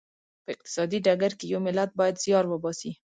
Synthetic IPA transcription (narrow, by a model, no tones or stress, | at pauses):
pəɪq̚t̪ɪ̥sɑd̪iɖaɡaɾkejawmɪlat̪̚bɑjad̪zjɑɾwəbɑsi